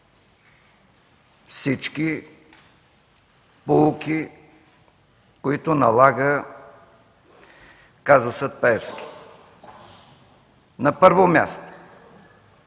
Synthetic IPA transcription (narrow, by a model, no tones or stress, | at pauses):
fsit͡ʃki | polˠukʲi | koit̪onɐlˠaɡə | kazosət̪̚pɛɛfskʲi̥ | nɐpəɾvomʲja̰st̪o̥